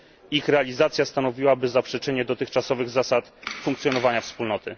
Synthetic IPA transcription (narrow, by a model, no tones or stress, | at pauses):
ixɾɛalʲizat̪sʲjast̪anɔvʲiwabɘzapʂɛt͡ʂɘɲɛd̪ɔt̪ɘxt͡ʂasɔvɘɣzasat̪fuŋkt̪sʲjɔnɔvaɲafspulnɔt̪ɘ